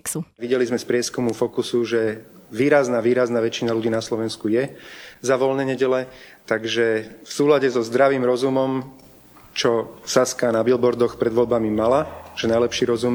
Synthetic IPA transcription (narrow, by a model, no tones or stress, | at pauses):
uʋiɟɛlizmɛspɾɪɛskumufɔkusuʒɛʋiːɾaznaːʋiːɾaznaːʋɛt͡ʃinaluɟiːnaslɔʋɛnskujɛzaʋɔlnɛɲɛɟɛlɛt̪aɡʒɛfsuːlaɟɛzɔzd̪ɾaʋiːmɾɔzumɔm | t͡ʃɔsaskanabilbɔɾd̪ɔxpɾɛd̪ʋɔlbamimalaʒ̥ɛnajlɛpʃiːɾɔzum